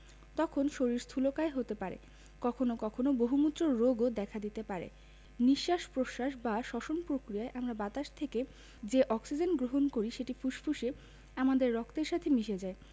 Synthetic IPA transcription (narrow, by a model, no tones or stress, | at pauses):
t̪ɔkʰonʃoɾiɾst̪ʰulokaeɦot̪epaɾḛ | kɔkʰonokɔkʰonoboɦumut̪ːɾoːoɡod̪ɛkʰad̪it̪epaɾḛ | niʃːaʃpɾoʃaʃbaʃɔʃonpɾokɾijaeʔamɾabat̪aʃt̪ʰeke | d͡ʑeʔɔksid͡ʑenɡɾoɦonkoɾiʃeʈifuʃfʰuʃe | amad̪eɾːɔkt̪eɾʃat̪ʰemiʃed͡ʑae